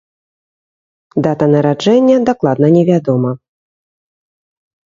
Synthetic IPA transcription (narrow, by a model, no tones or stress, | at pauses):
d̪at̪ɐnɐɾad͡ʐɛnʲːɐd̪aklˠad̪nɐnʲɛvʲad̪ɔmɐ